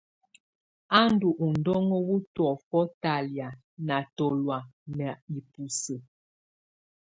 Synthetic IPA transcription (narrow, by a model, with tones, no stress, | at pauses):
a˦n˦du˨ʔu˨n˨dɔ˦ŋɔ˦wu˦twɔ˨fɔ˦ta˨lja˨ | na˨tɔ˨lwa˨nɛ˨i˨pu˨sə˨